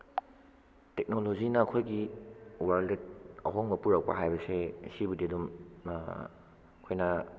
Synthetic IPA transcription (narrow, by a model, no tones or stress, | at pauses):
tek̚nolozinɐːkʰojɡiwaɾldet̚ɐ̰ɦɔŋbɐpuɾak̚pa̰ɦajbɐsesibudiɐdum | kʰojnɐ